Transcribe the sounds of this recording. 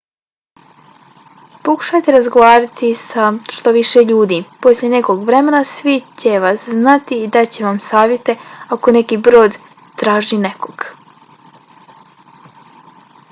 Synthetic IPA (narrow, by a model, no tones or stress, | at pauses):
po̞ku̥ʃajt̪eɾazɡoʋaːɾat̪isaʃt̪o̞ʋiʃeʎuːd̪iːpo̞slʲjʲe̞ne̞ko̞ɡʋɾe̞menasʋit͡ɕe̞ʋasznat̪iːd̪at͡ɕe̞ʋamsaːʋjet̪e̞ako̞ne̞kiːbɾo̞ːd̪ | t̪ɾaːʒine̞koɡ̥